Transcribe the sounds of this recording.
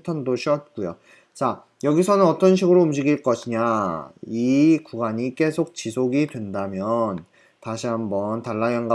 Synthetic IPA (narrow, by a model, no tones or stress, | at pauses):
tʰandoɕʰiʌt̚k͈ujo̰ | t͡ɕa | jʌɡisʰʌnɯnʌt͈ʌnɕʰiɡɯɾoumd͡ʑiɡiɭk͈ʌɕʰiɲa | ikuɡaɲik͈e̞sʰok̚t͡ɕisʰoɡidwe̞ndamjʌn | taɕʰiɦambʌntaɭːajʌŋɡa